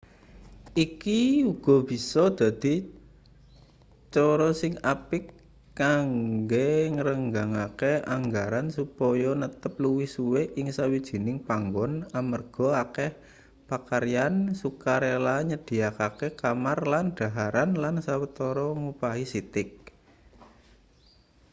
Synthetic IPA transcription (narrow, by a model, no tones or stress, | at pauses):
ikiuɡ̥ɔ̤b̥i̤sɔd̪̥a̤d̪̥i̤ | t͡ʃɔɾɔsɪŋapɪkː | aŋɡeŋəɾəŋɡaŋakeaŋɡaɾansupɔjɔnət̪əp̚luwisuweʔɪŋsawid̥ʒ̥i̤nɪŋpaŋɡɔnamərɡ̥ɔ̤akɛh | pakaɾijansukaɾelaɲəd̪̥i̤akakekamarlanɖ̥a̤ɦaɾanlansawət̪ɔɾɔŋupaɦisit̪ɪk̚